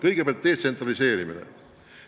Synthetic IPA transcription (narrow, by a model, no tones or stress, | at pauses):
kɤjɡ̥epʲælt̪̚d̪e̞ːt̪se̞nt̪rɑlise̞ːɾiminḛ